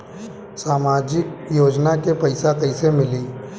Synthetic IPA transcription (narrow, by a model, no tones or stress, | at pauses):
saːmaːd͡ʒɪkjoːd͡ʒnakepɐɪsakɐɪsemɪliː